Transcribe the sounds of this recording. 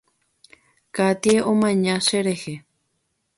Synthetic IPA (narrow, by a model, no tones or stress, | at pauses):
kat̪ieʔomãɲãʃeɾehe